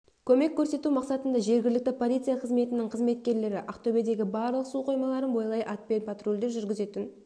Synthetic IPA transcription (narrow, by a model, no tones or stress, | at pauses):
kʲʰɵme̞kʲʰːɵɾse̞t̪umɑqsɑt̪ənd̪ɑʒe̞ɾɡʲɪlɪk̚t̪ɪpʰo̞lʲˠijt̪sɨjɑqʰəzme̞t̪ɪnɪŋqʰəzme̞t̪̚kʲe̞ɾle̞ɾɪʔɑqt̪ʰɵbe̞d̪e̞ɡʲɪbɑɾlˠəqsuqʰo̞jmɑlˠɑɾənbo̞jlˠɑjʔɑt̪̚pe̞npʰat̪ro̞lʲd̪eɾʒʏɾɡʲɪze̞t̪ɪn